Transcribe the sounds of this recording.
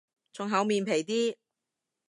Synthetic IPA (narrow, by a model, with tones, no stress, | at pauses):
t͡sʊ˨˧ŋɦɐ˨˥wmiː˨˧npʰe˨˩jt̪iː˥